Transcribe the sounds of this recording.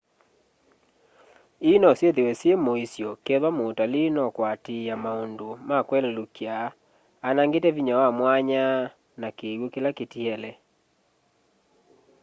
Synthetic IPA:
inɔsjeðewɛsjemoisjɔkeðwamoːtalinɔkwateamaondomakwɛlɛlokjaː | naŋɡetɛviɲawamwaɲa | nakeɣwokelaketiɛlɛ

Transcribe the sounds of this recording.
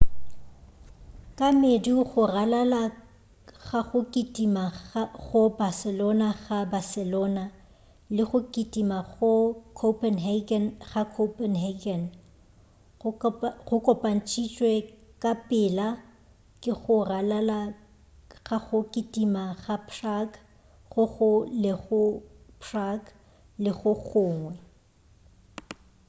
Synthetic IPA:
kʼamediɣʊralala | ɣaχʊkʼitʼimaɣʊbasɛlɔnaɣabasɛlɔna | lɪχʊkʼitʼimaɣʊkʰopʰʼɛnɦɛɡɛnχakʰopʼɛnhɛɡɛn | χʊkʼɔpʼan̩t͡ʃʼʰit͡ʃʼwɛkʼapʼɪla | kʼɪɣʊralala | ɣaɣʊkʼitʼimaɣapʰrak | χʊɣʊlɪχʊpʰrak | lɪɣʊɣʊːŋwɛ

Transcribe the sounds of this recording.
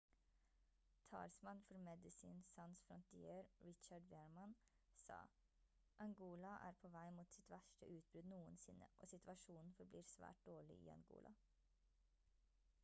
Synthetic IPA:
t̪ʰɑ̰ːɾsmɑnfɔɾmɛd̪ɪsḭːnsɑnsfɾɔnt̪ɪeːɾɹɪt͡ʃɑɖʋeːɹmɑn | sɑ̰ː | ʔɑŋɡuːlɑʔæ̰ːɾpʰoːʋæɪmuːt̪sɪt̪ʋæʃʈəʔʉːt̪̚bɾʉd̪nuːənsɪnəʔo̰ːsɪt̪ʋɑʃuːn̩fɔɾbliːɾsʋæ̰ːʈ̚d̪̥oːɭɪ̰ʔḭːɑ̰ŋɡṵːlʔɑ̰

